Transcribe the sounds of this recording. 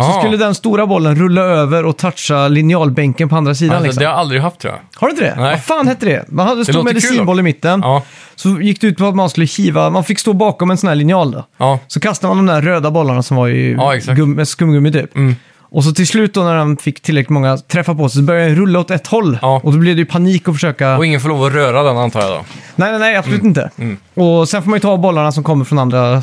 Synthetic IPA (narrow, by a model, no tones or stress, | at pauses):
sɔskɵlːəd̪ɛnst̪uːɾabɔlːənɾɵlːaøːvəɾɔt̪ʰatʈʂalɪnɪɑːlbɛŋkənpʰɔand̪ɾas̬iːd̪anlɪksɔɛhaɾald̪ɾɪɡaft̪ʰːɾṵa̰haɾʉɪnt̪d̪ɛ̰faːnhɛt̪ːəɖɛ̰manhad̪ːəst̪ːɾmɛd̪ɪsiːnbɔlːɪmɪt̪ːən | sɔjɪkːd̪ɛʉ̟ːt̪̚pʰɔat̪manskɵlːəçiːvamanfɪkːst̪oːbɑːkɔmɛnsɔnæːɭɪnɪɑːld̪ɔ̰sɔkʰast̪amand̪ɔmd̪æɾɾøːd̪abɔlːaɳasɔmvaɾ̰ɡɵmːskɵmːɡɵmːɪt̪ʰy̰ːp | ʔɔs̬ɔt̪ʰɪlslʉ̟ːt̪̚d̪ɔnæɾanfɪkːt̪ʰɪlɾɛklɪt̪mɔŋːat̪ʰɾɛfːapɔsɛsɔbœɾjaaɾɵlːaɔt̪ɛt̪ːhɔlːɔd̪ɔblɛd̪ɛjʉpʰaniːkːɔfœʂøːkaɔɪŋːənfɔɭoːvɔɾøːɾad̪ɛnant̪ʰɑ̰ːja̰d̪ɔ̰nɛɪnɛɪapsʊlʉːt̪ɪnt̪ə̰ | ɔsɛnfɔkmanjɵt̪ʰɑːbɔlːaɳasɔmkʰɔmːəɾfɾɔnand̪ɾa